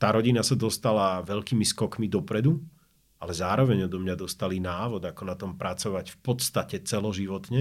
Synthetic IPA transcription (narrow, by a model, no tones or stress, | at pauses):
t̪aːɾɔɟinasad̪ɔst̪alaʋɛʎkiːmiskɔkmid̪ɔpɾɛd̪u | alɛzaːɾɔʋɛɲɔd̪ɔmɲad̪ɔst̪alinaːʋɔd̪akɔnat̪ɔmpɾat͡sɔʋacfpɔt̪st̪acɛt͡sɛlɔʒiʋɔt̪ɲɛ